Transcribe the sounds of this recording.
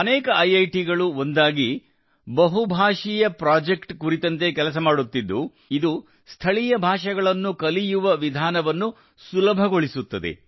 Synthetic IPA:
ɐnɛːkɐɐjɐjʈiɡɐɭuo̞nd̪aːɡi | bɐɦubʱaːʂijɐpɾaːd͡ʒekʈkuɾit̪ɐnt̪̬e̞kɛlɐs̬ɐmaːɽut̪ːid̪ːu | id̪u | st̪ʰɐɭijɐbʱaːʂɐɡɐɭɐnːukɐlijuʋɐʋid̪ʱaːnɐʋɐnːu | sulɐbʱɐɡo̞ɭisut̪ːɐd̪e̞̰

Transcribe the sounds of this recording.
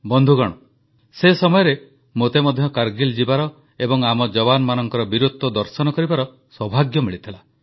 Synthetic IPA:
bɔnd̪ʱuɡɔɽ̃ɔ | sesɔmɔjɔɾe | mot̪emɔd̪ʱjɔkaɾɡild͡ʒibaɾɔ | ebɔŋamɔd͡ʒɔbanɔmanɔŋkɔɾɔbiɾut̪ːɔd̪ɔɾsɔnɔkɔɾibaɾɔ | swɔbʱaɡjɔmiɭit̪ʰila

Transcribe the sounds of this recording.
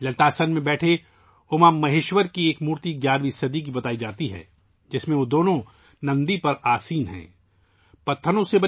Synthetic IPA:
lɐlt̪aːsənmẽbɛːʈʰe | ʊmamːɐɦeːʃwəɾkieːkmuːɾt̪iɡjaːɾʋisɐd̪ik̬ibɐt̪aːid͡ʒaːt̪iɦɛ̰ː | d͡ʒɪsmẽʋod̪oːnõ | nɐ̃nd̪ipɐɾaːsiːnɦɛ̰̃ː | pɐt̪ʰːənõsebɐ

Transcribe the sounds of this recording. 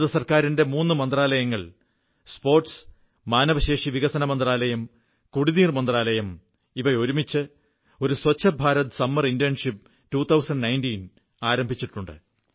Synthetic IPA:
ðɐsɐrkaːɾinde̞muːnːɨmɐnd̪raːlɐjɐŋːɐɭ | spo̞ːrʈs | maːnɐʋɐɕe̞ːʂiʋiɣɐsɐnɐmɐnd̪raːlɐjɐm | kuɽiðiːrmɐnd̪raːlɐjɐm | iʋɐo̞ɾumit͡ɕːɨ | o̞ɾuswɐt͡ɕːɐbʱaːɾɐt̪ɨsɐmːɐrindijɐnʂipː | tuːt̪ʰɐwsɐɳɖnɐjntin | aːɾɐmbʱit͡ɕːiʈːuɳɖɨ̰

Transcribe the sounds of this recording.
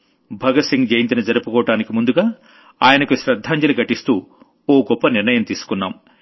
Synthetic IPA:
bʱɐɡɐsiŋɡd͡ʒɐjint̪inɐd͡ʒɐɾupukɔːʋɐʈaːnikimund̪uɡaː | aːjɐnɐkuʃɾɐd̪ʱːaːɲd͡ʒɐluɡɐʈist̪uː | oːɡɔpːɐniɾnɐjɐmt̪iːsu̥kunːa̰ːm

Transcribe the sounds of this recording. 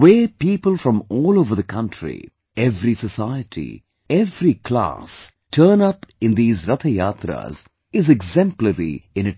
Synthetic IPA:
weːpiːpəlˠfɾɔ̃mɔːlovəðəkʰʌ̃nʈʰɾḭ | ɛvɾisəsaɪəʈʰḭ | ɛvɾikla̰s | ʈʰəːnʌpɪ̃nd̪iːzɾʌt̪ʰəjaːt̪ɾa̰z | ɪzɛɡzɛ̃mpləɾḭɪ̃nɨʈ

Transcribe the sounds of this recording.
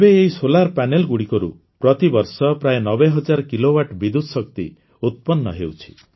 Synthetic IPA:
ebeːisolaɾpanelɡuɽikɔɾṵ | pɾɔt̪ibɔɾsɔpɾajnɔbeɦɔd͡ʒaɾkilowaʈbid̪ud̪ʱsɔkt̪ḭ | ut̪̚pɔnːɔ̰ɦewt͡ʃʰi̥̰

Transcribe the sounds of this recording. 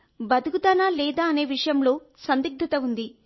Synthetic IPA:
bɐd̪uɡut̪ɐnaːlɛːd̪aːɐne̞ːʋiʂɐjɐmlo̞ː | sɐnd̪iɡ̚d̪ʱɐt̪ɐund̪i

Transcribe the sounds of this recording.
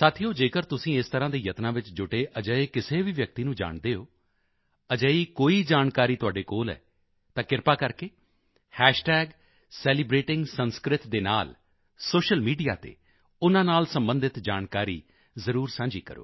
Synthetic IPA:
saːt̪ʰijoːd͡ʒeːkəɾt̪ʊsĩːɪst̪əɾãːd̪eːjət̪nãːʋɪt͡ʃd͡ʒʊʈeːʔəd͡ʒəeːkɪseːʋiːʋjək̚t̪iːnũːd͡ʒa̰ːɳd̪eːoː | əd͡ʒəiːkoːiːd͡ʒaːnkaːɾiːt̪ʊaːɖeːkoːlɛ̰ː | t̪ãːkɪɾpaːkəɾkeː | hɛːʃʈɛːɡ | sɛːlibɾeːʈɪ̃ŋɡsənskɾɪt̪d̪eːna̰ːl | soːʃəlmiːɖija̰ːt̪ḛː | ʊnãːnaːlsəmbənd̪ɪt̪d͡ʒa̰ːnkaːɾḭː | zəɾuːɾsãːɲd͡ʒḭːkə̰ɾo̰ː

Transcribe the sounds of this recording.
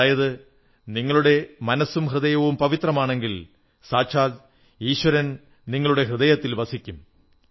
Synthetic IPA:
aːjɐðɨ | niŋːɐɭuɽe̞mɐnɐsːumɦrɨðɐjɐʋumpɐʋit̪rɐmaːɳe̞ŋɡil | saːɕʰaːl | iːɕwɐɾɐn | niŋːɐɭuɽe̞ɦrɨðɐjɐt̪ːilbɐsikʲːum

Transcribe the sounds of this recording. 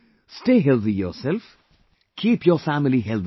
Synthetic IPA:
sʈeːɦɛlt̪ijɔ̰self | kʰiːpjɔfæmiliɦɛlt̪

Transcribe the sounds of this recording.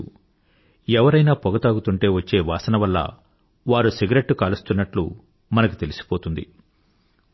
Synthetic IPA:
ɛʋɐɾɐjnaːpɔɡɐt̪aːɡut̪uɳʈe̞ːʋɐt͡ʃːe̞ːʋaːsɐnɐʋɐlːɐ̰ | ʋaːɾusiɡɾeʈːukaːlust̪unːɐʈlṵ | mɐnɐku̥t̪e̞lisi̥po̞ːt̪und̪ḭ

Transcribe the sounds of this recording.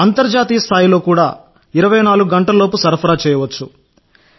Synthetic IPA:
ɐnt̪ɐɾd͡ʒaːt̪iːjɐst̪ʰaːjilo̞ːkuːɽaː | iɾɐʋɐjnaːluɡuɡɐɳʈɐllo̞ːpusɐɾpʰɐɾaːt͡ʃɛːjɐʋɐt͡ʃːu

